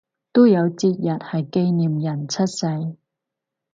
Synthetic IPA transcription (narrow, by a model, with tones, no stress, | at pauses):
t̪o˥jɐ˨˧wt͡siː˧t̚jɐ˨t̚hɐ˨jke˥jniː˨mjɐ˨˩nt͡sʰɐ˥t̚sɐ˧j